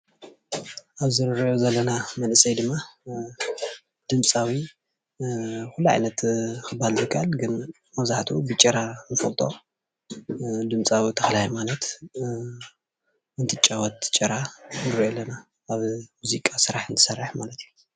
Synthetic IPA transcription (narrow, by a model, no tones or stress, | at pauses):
ʔaβzɨɾɾozɐlːɐnamɐnɨsɐjd̪ɨmːa | d̪̥ɨmt͡sʼawi | xulːuʕa̰jnɐt̪kʰɨbːalzɨkʰːaʔalɡɨn | mɐzaħt̪ʰubɨt͡ʃʼɐɾanɨfɐlt̪ʼo̞ | d̪ɨmt͡sʼawit̪ʰɐxɐlajmanɐt̪ | ɨnt̪ʰɨt͡ʃʼɐwɐt̪t͡ʃʼːɐɾanɨɾʔolːɐnaː | βmuzikʼasɨɾaħɨnt̪ʰɨ̥sɐrːɨħmalɐt̪iju